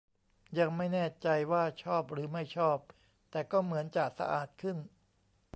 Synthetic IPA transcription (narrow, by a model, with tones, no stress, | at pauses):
ja˧ŋma˥˩jnɛː˥˩t͡ɕa˧jwaː˥˩t͡ɕʰɔː˥˩p̚ɾɯː˩˦ma˥˩jt͡ɕʰɔː˥˩p̚ | t̪ɛː˨˩kɔː˥˩mɯ˩˦ənt͡ɕaː˨˩k̚sa̰˧ʔa̰ː˨˩t̪̚kʰɯ˥˩n